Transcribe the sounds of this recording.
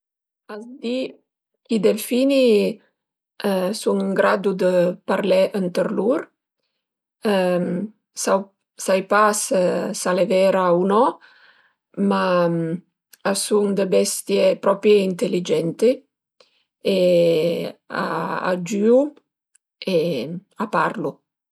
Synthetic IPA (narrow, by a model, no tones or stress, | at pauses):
azd̪i | kid̪elfini | suŋəŋɡɾad̪ud̪əpaɾlɛʔənt̪əɾluɾ | sa | sajpassalevɛɾaunɔ | ma | asuŋd̪əbɛst̪jepɾɔpɾjeint̪elid͡ʒɛnt̪e | e | a̰a̰d͡ʒyu | eapaɾlu